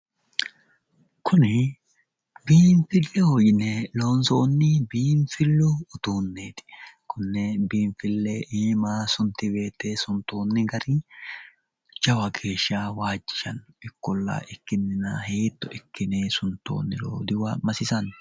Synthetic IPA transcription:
kʰʊnɪ | biːɱfɪlːɛhoːjɪnɛlo̞ːnsoːnːɪbiːɱfɪlːʊːt̪uːnːeːt̪ɪ̥kʊnːɛbiːnfɪlːɛʔeːmaːsʊnt̪ɪbe̞ːt̪ːeːsʊnt̪oːnːɪɡɐɾɪ | d͡ʒɐwɐɡe̞ːʃːawaːd͡ʒːɪ̥ʃɐn | ɪkːɔlːa̰ʔɪkːɪnːɪnɐheːt̪ːɔʔɪkːɪneːsʊnt̪ːo̰ːnːɪlo̰ːd̪ɪwɐmɐsɪsɐn

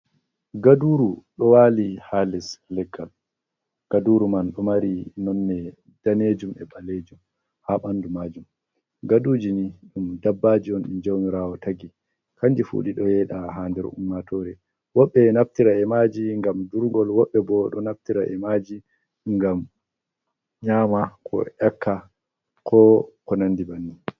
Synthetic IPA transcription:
ɡaduːɾuɗɔwaːlihalɛslɛɡːal | ɡ̥aduɾumanɗɔmaɾinɔnːɛ | d̥aned͡ʒumɛɓaled͡ʒum | haɓandumaːd͡ʒum | ɡaduːd͡ʒiniɗumdabːad͡ʒiɔnḭnd͡ʒɔwmiɾaːwɔtaɡi | kand͡ʒifṵɗiɗɔjɛɗahandɛɾṵmːatʰɔɾɛ | wɔɓːɛnaftiɾaɛmad͡ʒiŋɡamduɾɡɔlwɔɓːɛbɔɗɔnaftiɾa̰ʔɛmad͡ʒi | ŋɡam | ɲamakʰɔ̰ʔɛkʰːa | kʰɔkɔnandibanːi

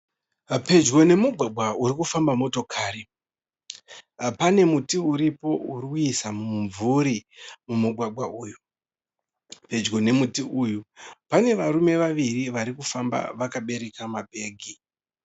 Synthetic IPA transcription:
pe̞d͡ʒɡo̞ne̞muɡʱwaɡ͡bʱauɾikufambamo̞to̞kʰaɾi | pane̞mutiuɾipo̞uɾikuisamuɱvuɾimumuɡʱwaɡ͡bʱwaʔuːju | pe̞d͡ʒɡo̞ne̞mutiujupane̞ʋaɾume̞ʋaʋiriʋaɾikufamba̰ʋakaɓe̞ɾe̞kamabʱe̞ːɡʱi

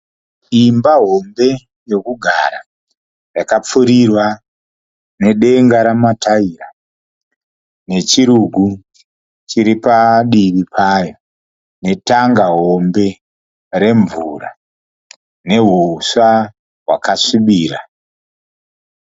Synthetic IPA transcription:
imbaɦo̞mbe̞ | jo̞kuɡʱa̰ɾa | jakap͡fuɾirwa | ne̞ɗe̞ŋɡaɾamatʰaira | ne̞t͡ʃiɾuɡʱu | t͡ʃiɾipaɗiβipʰaːjo | ne̞taŋɡaɦo̞mbe̞ | ɾe̞ɱvura̰ | ne̞ɦusa | ɦwa̰kasiɓiːɾa

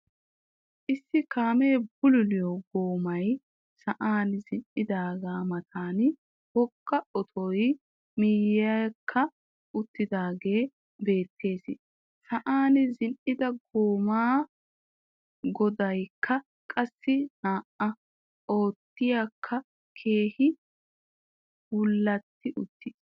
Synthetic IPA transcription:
ʔɪsːɪkaːmeːbʊlʊlɪjɔɡoːmɐj | sɐʔaːnɪzɪnʔɪd̪aːɡaːmɐt̪ʰaːn | bɔkːɐɔt̪ʰɔj | miːjɐkʰːɐ | ʊt̪ːɪd̪aːɡe̞ː | be̞ːt̪ʰːe̞ːsɪ | sɐʔaːnɪzɪnʔɪd̪ɐɡoːmaː | ɡɔd̪ɐjkʰːɐ | kʼɐsːɪnaːʔɐ | o̞ːt̪ːɪjaːkʰːɐ | kʰe̞ːhɪ | wʊlːɐt̪ːɪʔʊt̪ːɪs

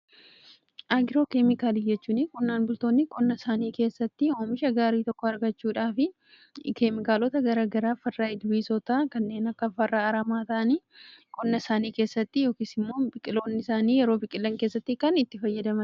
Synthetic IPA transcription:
ʔɐɡɪɾo̞ːkemɪkaːliːd͡ʒɛt͡ʃːuːnɪkʼʊnːaːnbʊlt̪o̞ːnːɪkʼʊnːɐsaːniːke̞ːsːɐt̪ːɪoːmɪʃɐɡaːɾiːt̪ɔkːɔɐɾɡɐt͡ʃːuːᶑaːfɪ | kemɪkaːlɔt̪ɐɡɐɾaːɡɐɾaːfɐrːaːɪd̪wiːsɔt̪aːkɐnːe̞ːnɐkːɐfɐrːaːɐɾɐmaːt̪ɐʔɐniː | kʼɔnːɐsaːniːke̞ːsːɐt̪ːɪjo̞ːkiːsɪmːo̞ːbɪkʼɪlo̞ːnːɪsaːniːjɛɾo̞ːbɪkʼɪlːɐŋke̞ːsːɐt̪ːɪkɐnɪt̪ːɪfɐjːɐd̪ɐmɐn

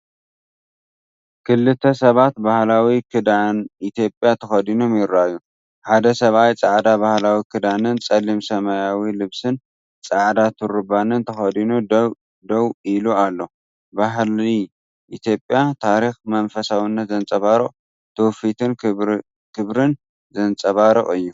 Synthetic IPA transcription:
kʰɨlːɨt̪ʰːɐsɐβat̪bahlawikʰɨd̪anit̪jo̞pʼjat̪ʰɐxɐd̪ino̞mjɪɾːajːu | ħad̪ɐsɐβajt͡sʼaʕd̪abahlawikʰɨd̪anɨnt͡sʼɐlimsɐmajawilɨβsɨn | t͡sʼaʕd̪at̪ʰɨɾɨbanɨnt̪ʰɐxɐd̪inu | d̪ɐwilualːo̞ | baɦli | ʔit̪ʰjo̞pʼjat̪ʰaɾixmɐnfɐsawɨnːɐt̪zɐnt͡sʼɐβaɾɨχʼ | t̪ʰowfit̪ʰɨn | kʰɨβɾɨn | zɐnt͡sʼɐβaɾɨχʼɨjːu

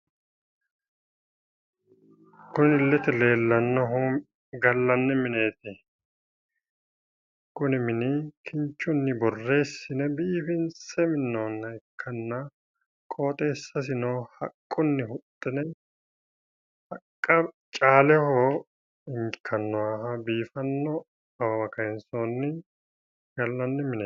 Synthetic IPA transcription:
kʊnɪlːɛt̪ɛle̞ːlːɐnːɐɦu | ɡɐlːɐnːɛmɪne̞ːt̪ɪ | kʊnɪmɪnɪkʰɪnt͡ʃːʊnːɪbɔrːe̞ːsːɪnɛbiːfɪnt͡sːɛmɪnːoːnːɐɪkʰːɐnːɐ | kʼo̞ːt̪ʼe̞ːsːɐs̬ɪnoːhɐ̰kʼːʊnːɪhʊt̪ʼːɛnɛ | hɐkʼːɐ | t͡ʃʼaːlɛhoː | ɪŋkʰːɐnːɔwaːɦɐbiːfɐnːɔ | ɐwɐwɐkɐɛnsoːnːɪ | ɡ̥ɐlːɐnːɪmɪneː

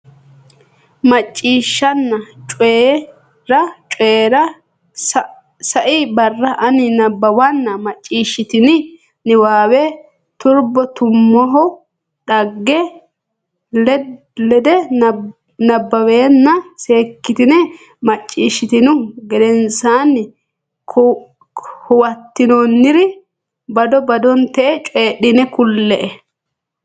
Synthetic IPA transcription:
mɐt͡ʃʼːiːʃːɐnːɐt͡ʃʼe | ɾɐt͡ʃʼeːɾɐ | sɐʔɪbɐrːɐʔɐnɪnɐbːɐwɐnːɐmɐt͡ʃʼːiːʃːɪt̪ɪnɪ | nɪwaːwɛ | t̪ʊɾbɔt̪ʊmːɔɦɔ | ᶑɐɡːɛ | lɛd̪ɛ | nɐbːɐweːnːɐse̞ːkːɪt̪ɪnɛ | mɐt͡ʃʼːiːʃːɪt̪ɪnʊɡɛd̪ɛnsaːnːɪ | k | hʊwɐt̪ːɪnonːɪɾɪ | bɐd̪ɔbɐd̪ɔnt̪ɛʔɛt͡ʃʼeːɗɪnɛkʊlːɛʔɛ

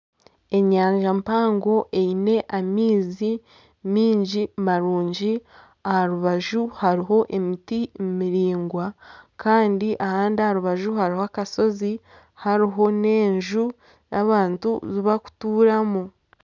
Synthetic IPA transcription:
e̞ɲaːɲʒampaːŋɡo̞ʔe̞ine̞ʔamiːzi | miːɲɟimaɾuːɲɟi | ahaɾuβaʒuhaɾiɦo̞ʔe̞mitimumiɾiːŋɡwakaːndiʔahaːndiahaɾuβaʒuhaɾihoakaso̞zi | haɾiɦo̞ne̞ːɲʒu | nʔaβaːntuziβaku̥tuːɾamu

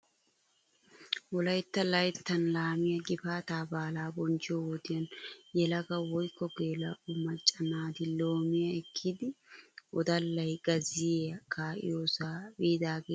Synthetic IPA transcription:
wɔlɐjt̪ːɐlɐjt̪ːɐnlaːmɪjɐɡɪfaːt̪aːbaːlaːbɔnd͡ʒɪjowɔd̪ɪjɐnjɛlɐɡɐwɔjkːɔɡe̞ːlɐʊmɐt͡ʃʼːɐnaːd̪ɪlo̞ːmɪjɐɛkʰːid̪ɪʔɔd̪ɐlːɐjɡ̥ɐzɪjeːɐkʰaːʔɪ̰jo̞ːsaːbiːd̪aːɡeː

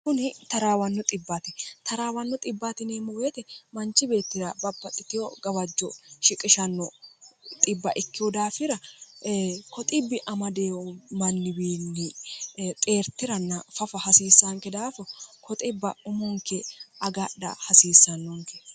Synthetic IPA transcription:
kʊnɪt̪ɐɾaːwɐnːɔt̪ʼɪbːat̪ɪt̪ɐɾaːwɐnːɔt̪ʼɪbːat̪ɪneːmɔweːt̪ɛmɐnt͡ʃːɪbe̞ːt̪ːɪɾɐbɐbːɐkʼɪt̪ɪjɔɡɐbɐd͡ʒːɔʃɪkʼːɪʃɐnːɔt̪ʼɪbːɐʔɪkːɪjɔd̪aːfɪɾɐ | kɔt̪ʼɪbːɪʔɐmɐd̪eːwɔmɐnːɪbiːnːɪt̪ʼe̞ːɾt̪ːɪɾɐnːɐfɐfɐhɐsiːsːaŋkɛd̪aːfɔkʰɔt̪ʼɪbːɐʊmɔŋkːɛʔɐɡɐɗɐ̰hɐsiːsːɐnːɔŋkɛ̥

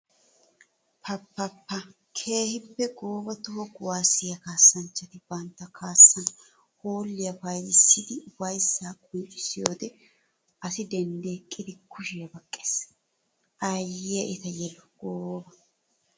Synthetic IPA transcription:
pʰɐpːɐpːɐ | kʰe̞ːhɪpːɛɡoːbɐt̪ʊhɔɡʊwaːsɪjɐkaːsːɐnt͡ʃːɐt̪ɪb̥ɐnt̪ːɐkʰaːsːɐn | hoːlːɪjɐfɐjlɪsːɪd̪ɪʊbɐjsːaːkʼʊnt͡ʃʼːɪ̥sɪjo̞ːd̪ɛ | ɐsɪd̪ɛnd̪eːkʼːɪd̪ɪkʊʃɪjɐbɐkʼːe̥ːs | ʔɐjɪjɛʔɪt̪ɐjɛlɔɡ̥oːbɐ

